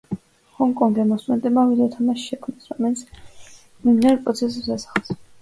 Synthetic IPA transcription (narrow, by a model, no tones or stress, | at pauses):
hɔŋkʼɔŋɡɛmɔsmɛnt̪ʼɛmavid̪ɛt̪ʰamaʃʃɛkʰmnɛsɾɔmɛlit̪sʰ | mid̪naɾpʼɾɔt̪sʰɛs̬ɛpsasḁχˠs